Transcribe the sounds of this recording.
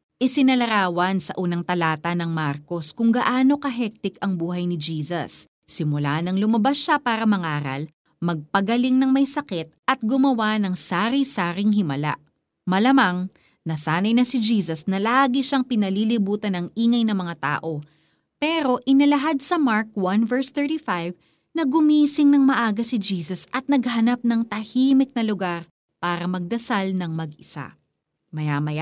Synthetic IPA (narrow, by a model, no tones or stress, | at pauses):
ʔɪsɪnɐlɐɾaːwɐnsɐ̰ʔuːnɐŋt̪ɐlaːt̪ɐnɐŋmaɾko̞skʊŋɡɐʔaːno̞kɐɦɛk̚t̪ɪkɐŋbuːɦɐjnɪd͡ʒiːsɐ̰sː | ɪmʊlaːhnɐŋlʊmɐbasʃapaːɾɐmɐŋaːɾɐ̰l | mɐɡ̚pɐɡɐlɪŋnɐŋmɐjsɐkɛt̪̚ɐt̪̚ɡʊmɐwanɐŋsaːɾisaːɾɪŋhɪmɐla̰ | mɐlɐmaŋ | nɐsaːnɐjnɐsɪd͡ʒiːsɐsnɐlaːɡɪʃaŋpɪnɐlilɪbuːt̪ɐnɐŋʔiːŋɐjnɐmɐŋat̪a̰ːʔo̞ | pɛːɾo̞ʔɪnɐlɐɦad̪̚sɐmaɹkwɐnvɛɹst̪ɛɹt̪ifajv | nɐɡʊmiːsɪŋnɐŋmɐʔaːɡɐsɪd͡ʒiːsɐsɐt̪̚nɐɡ̚hɐnap̚nɐŋt̪ɐhiːmɪk̚nɐlʊɡaɾ | paːɾɐmɐɡ̚d̪ɐsalnɐŋmɐɡʔɪsa̰ | mɐjamɐja